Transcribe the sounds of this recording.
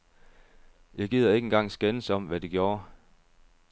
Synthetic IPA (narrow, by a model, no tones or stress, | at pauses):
jɑ̈ɪɡ̥ḭð̰ˠɐe̝ɡ̥enŋɡ̥ɑ̈ŋ̰sɡ̥ensɒ̽m̰ʋæd̥eɡ̥jɔ̝ːɐ